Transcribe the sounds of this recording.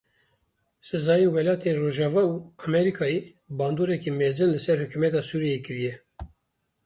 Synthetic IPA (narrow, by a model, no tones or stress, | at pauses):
sɨzɑːjinwɛlɑːt̪ʰeːnroːʒɑːvɑːuːɑmɛɾikʰɑːje | bɑːnd̪oːɾɛkiːmeːzɨnlɨsɛɾhɨkumɛt̪ɑːsuːɾieːkɨɾijɛ